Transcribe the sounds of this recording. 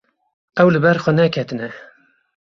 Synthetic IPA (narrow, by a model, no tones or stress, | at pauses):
ɛwlɨbɛɾxɔnɛkʲʰɛt̪ɨnɛ